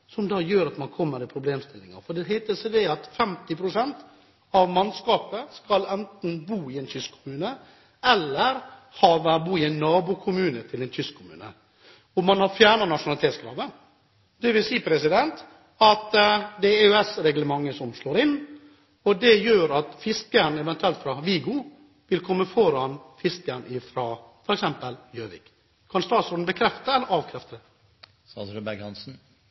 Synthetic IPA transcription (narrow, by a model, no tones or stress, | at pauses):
sɔmd̪ɑːjøːɾɑt̪mɑnkʰɔmːəɾɪlpʰɾʊbleːmst̪ɪlːɪŋɑ̰fɔɖ̪ɛɦæɪt̪əsəd̪ɛɑt̪fɛmt̪ɪpʰɾʊsɛnt̪ | ɑʋmɑnskɑːpəskɑlɛnt̪n̩buːɪɛɪnt̪ʰʏskʰːʊmʉːnə | ɛlːəɾhɑʋbuːɪæɪnːɑːbukʰʊmʉːnət̪ʰɪlɛnt̪ʰʏskʰʊmʉ̰ːnə̰ | ɔmɑnhɑfjæːɳɑnɑʂʊnɑlɪt̪ʰeːt̪sɡɾɑ̰ːʋə | d̪̥ɛʋɪlsiːpʰɾɛsɪd̪ɛnt̪ | ɑt̪d̪ɛæɛʉɛsɾɛɡləmɑŋːəsɔmʂloːɾɪnː | ɔd̪ɛjøːɾɑt̪fɪskəɳɛʋɛnt̪ʉɛlt̪fɾɑʋiːɡʊ | ʋɪlkʰɔmːəfɔɾɑnfɪsk̪əɳɪfɾɑː | fɔɾɛksɛmpəljøːʋɪ̰k | kʰɑnst̪ɑːt̪sɔɾɖ̪n̩bəkʰɾɛft̪əɛlːəɾɑːʋkʰɾɛft̪əd̪ɛ | sɑɾbæɡhɑnsn̩